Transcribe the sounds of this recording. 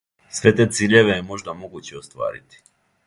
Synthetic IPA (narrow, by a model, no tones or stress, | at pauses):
sʋe̞t̪e̞ːt̪siːʎe̞ʋe̞jemo̞ʒd̪amo̞ɡuːt͡ɕeost̪ʋa̰ːɾḭt̪i̥